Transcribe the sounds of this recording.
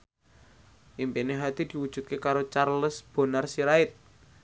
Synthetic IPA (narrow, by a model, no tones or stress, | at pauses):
ʔimpineɦat̪id̪̥i̤wud̥ʒ̥ṳt̪̚kekaɾot͡ʃarləsb̥o̤narsiɾaɪt̪̚